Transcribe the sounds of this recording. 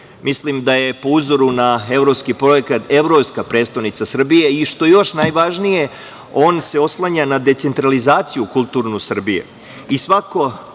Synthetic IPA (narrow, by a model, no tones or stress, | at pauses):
mʔislimd̪aje̞po̞uzoɾunae̞vɾo̞pskipɾo̞jekat̪e̞ʋɾo̞pskapɾe̞ːt̪st̪aʋnit̪sasr̩bije̞iʃt̪oejo̞ʃnajʋaʒnije̞ | o̞ːnse̞o̞slˠaɲanad̪e̞t̪se̞nt̪ɾalizaːt̪sijukulˠt̪uːɾnusr̩bijḛ | isʋako̞